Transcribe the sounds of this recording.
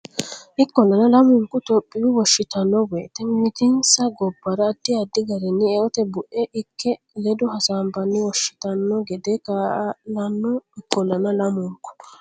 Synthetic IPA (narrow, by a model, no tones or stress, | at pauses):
ʔɪkːɔlːɐnɐlɐmʊŋkʊt̪ɔpʼːɪjʊwɔʃːɪt̪ɐnːɔweːt̪ːɛnmɪt̪ɪnsɐɡɔbːɐɾɐːd̪ːɪɐd̪ːɪɡɐɾɛnːɪɛɔt̪ɛbʊʔɛʔɪkʰːɛ | lɛd̪ʊɦɐsaːmbɐnːɪwɔʃːɪ̥t̪ɐnːɔɡɛd̪ekalɐnːɔɪkːɔlːɐnɐlɐmʊŋkʊ̥